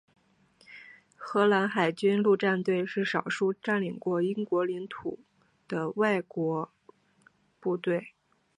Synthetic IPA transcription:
xɤ˧˥la˧˥nxa˨˩ɪt͡ɕy˥nlu˥˧ʈ͡ʂa˥˧nt̪we˥˧ɪʂɻ̩˥˩ʂɑ˨˩ʊʂu˥ʈ͡ʂa˥˩nli˨˩ŋkwɔ˥˩i˥ŋkwɔ˧˥li˧˥ŋt̪ʰṵ˨˩˦ | d̪̥ə˧wa˥˩ɪkwɔ˧˥ | pu˥˧t̪we˥˩ɪ

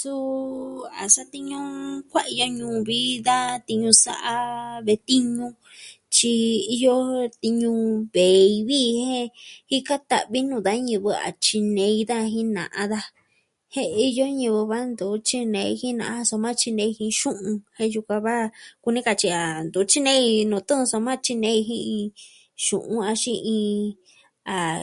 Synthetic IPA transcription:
su˦ | a̰˨sa˦t̪i˦ɲũ˦kʷa˦i˧jo˧ɲũː˧˨˧βi˦ða˦t̪i˧ɲũ˧sa̰˧ʔa˧βe˧t̪i˦ɲũ˧ | t͡ʃi˧i˧jo˦t̪i˧ɲũ˧βe˨i˧βi˦˧hẽ˦hi˦ka˦t̪a̰˨ʔβi˦nũ˧˨ða˦ɲɨ̃˧βɨ˧a̰˨t͡ʃi˧nẽ˧i˧ða˦˧ɦĩ˦nã̰˨ʔã˧ða˧ | hẽ˦i˧jo˦ɲɨ̃˧βɨ˧βa˦nd̪u˨˦t͡ʃi˦nẽ˧i˧hĩ˦nã̰˧ʔso˧mã˦t͡ʃi˧nẽ˧i˧hĩ˧ʃũ˦ũ˧hẽ˦ju˧kʷã˧βa˦ku˧nĩ˦ka˧t͡ʃi˧a˨nd̪u˨˦t͡ʃi˦nẽ˦i˧nũ˨t̪ũ˦˧so˧mã˦t͡ʃi˧nẽ˧i˧ɦĩ˦ĩ˧ | ʃṵ̃˨ʔũ˦a˧ʃĩ˧ĩ˧ | a˨

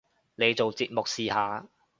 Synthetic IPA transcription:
ne˨˧jt͡so˨wt͡siː˨˧t̚mʊ˨k̚siː˨haː˨˧

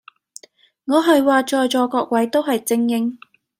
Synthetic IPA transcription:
ŋɔː˨˧ɦɐ˨jwaː˨t͡ʃɔː˨jt͡ʃɔː˨˧kɔː˧k̚wɐ˨˥jt̪o˥wɦɐ˨jt͡sɪ˧ŋjɪ˧ŋ

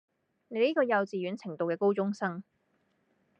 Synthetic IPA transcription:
ne˨˧jniː˥kɔː˧jɐ˨˧wt͡siː˨jɥyː˨˥nt͡sʰɪ˨˩ŋt̪o˨wkɛː˧ko˥wt͡sʊ˥ŋsɐ˥ŋ

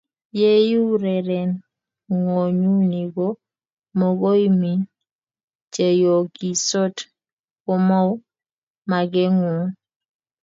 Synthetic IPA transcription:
je˦ju˦ɾɛ˨ɾɛ˨n | ŋo˨ɲu˦ni˨ɡo˦ | mɔ˨ɡo˦i˦mi˨n | t͡ʃe˨jo˨ɡi˨sɔ˦t | kɔ˦mɔ˦w | ma˨ɡɛ˦ŋu˨n

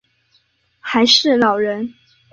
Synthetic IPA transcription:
xa˧˥ɪʂɻ̩˥˨lɑ˨˩ʊɻə˧˦˥n

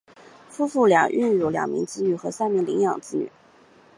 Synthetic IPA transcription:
fu˥fu˥˩ljɑ̰˨˩ŋʔy˥˧nɻu˧˩ljɑ̰˨˩ŋmḭ˧˥ŋt͡sɹ̩˥ny˨˩xɤ˧˥sa˥˩ɪmi˧˥˩ŋli˧˥ŋjɑ˨˩ŋt͡sɹ̩˥ny̰˨˩˦

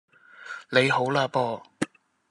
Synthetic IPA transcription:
le˨˧jho˨˥wlaː˧pɔː˧

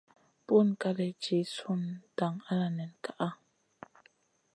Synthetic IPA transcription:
pu˦˨n˨ka˦lɛ˨t͡ʃi˨˦su˦nta˨ŋa˦la˨nɛ˨nka˦ʔa˦

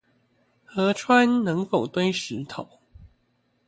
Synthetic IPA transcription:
xɤ˨˥˦ʈ͡ʂʰwa˦nnə˧˦˥ŋfo˨˩ʊt̪we˥ɪʂɻ̩˨˥t̪ʰo˨˩ʊ

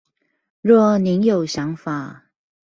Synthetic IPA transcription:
ɻwɔ˥˩ni˧˦˥njo˨˩ʊɕjɑ˧˥ŋfa˨˩˦

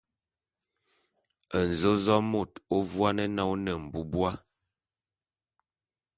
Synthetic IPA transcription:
ə˨n̩˨zo˦zɔ˦mo˨to˦vwa˦nɛ˦nɔ˦wnə˨m̩˨bu˦bwa˦

